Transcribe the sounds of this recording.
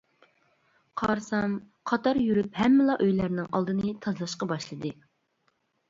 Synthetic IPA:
qʰɑɾsɑm | qʰɑt̪ɑɾjyɾyphɛmːɪlˠɑʔøjlæɾnɪŋʔɑ̰lˠd̪ɨnɨt̪ʰɑzlˠɑʃqɑbɑʃlˠɨd̪ɨ

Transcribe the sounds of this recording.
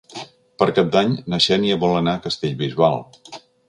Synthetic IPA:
pəɾkap̚d̪aɲnəʃɛniəβɔlˠənakəst̪eʎβizβalˠ

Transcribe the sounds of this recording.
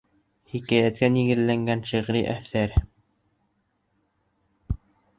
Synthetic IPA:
hikæjæt̪̚kæniɡɘ̆ðlæŋɡænʃiʁɾiʔæθæɾ

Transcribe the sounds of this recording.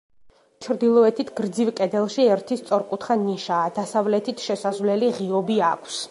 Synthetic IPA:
t͡ʃʰɾd̪ilˠɔɛt̪ʰit̪ʰɡ̥ɾd̪zivkʼɛd̪ɛlˠʃiɛɾt̪ʰist̪sʼɔɾkʼut̪ʰχaniʃaːd̪asavlɛt̪ʰit̪ʰʃɛsazvlɛliʁiɔbiakʰs

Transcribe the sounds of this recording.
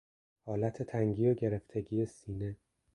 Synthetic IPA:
hɒːlæt̪ʰe̞t̪ʰæŋɟiːjoɟe̞ɾe̞ft̪ʰe̞ɟiːjesiːne̞

